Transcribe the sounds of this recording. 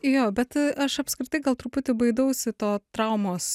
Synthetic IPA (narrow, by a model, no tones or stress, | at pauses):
joːbʲɛt̪ɐʃɐpskɾʲɪt̪ɐɪɡɐlˠt̪ɾʊpʊt̪ʲɪbɐɪd̪ɐʊsʲɪt̪oːt̪ɾɐʊmoːs